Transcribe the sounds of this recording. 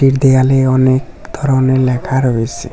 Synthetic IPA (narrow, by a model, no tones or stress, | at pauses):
iɾd̪ejaleɔnekd̪ʱɔɾɔneɾlɛkʰaɾoesi